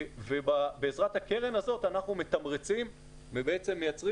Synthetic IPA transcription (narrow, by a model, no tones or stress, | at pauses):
vebabeːzʁat̪hake̞ʁe̞nazo̞t̪anaχnume̞t̪amʁet͡sim | vebeet͡se̞mːejat͡sʁi